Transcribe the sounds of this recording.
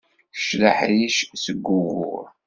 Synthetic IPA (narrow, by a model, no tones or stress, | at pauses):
ʃlaħɾiʃsəɡʷːʊɣʊ̰